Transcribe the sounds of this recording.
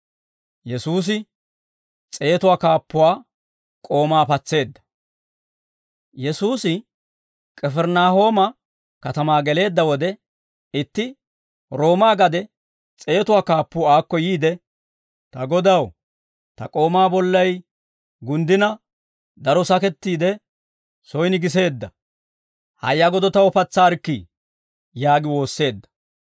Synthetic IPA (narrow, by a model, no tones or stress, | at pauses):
jɛsuːs̬ɪ | t͡sʼe̞ːt̪ʊwaːkaːpːʊwaː | kʼo̞ːmaːpɐt͡sːe̞ːd̪ːɐ̥ | jɛsuːsɪ | kʼɛfɛɾnaːɦo̞ːmɐ | kɐt̪ɐmaːɡɛle̞ːd̪ːɐwɔd̪ɛ | ɪt̪ːɪ | ɾo̞ːmaːɡɐd̪ɛ | t͡sʼe̞ːt̪ʊwaːkaːpːʊaːkːɔjiːd̪ɛ | t̪ɐɡɔd̪ɐw | t̪ɐ̰kʼo̞ːmaːbɔlːɐj | ɡʊnd̪ɪnɐ | d̪ɐɾɔsɐkɛt̪ːiːd̪ɛ | sɔjnɪɡɪs̬e̞ːd̪ːɐ | hɐ̰jːɐɡɔd̪ɔt̪ɐwɔpɐt͡sːaːɾkːi | jaːɡɪwo̞ːsːe̞ːd̪ːɐ̥